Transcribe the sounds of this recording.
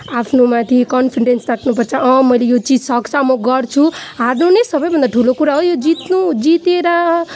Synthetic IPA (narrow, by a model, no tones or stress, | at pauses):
apʰnomãt̪ʰikʌnpʰiɖensrakʰnupʌrt͡sʰʌʌmʌjlejot͡sid͡zsʌksamoɡʌrt͡sʰuɦaɾnunesʌbʌjbʱʌnd̪aʈʰulokuɾaɦojod͡zit̪nud͡zit̪eɾa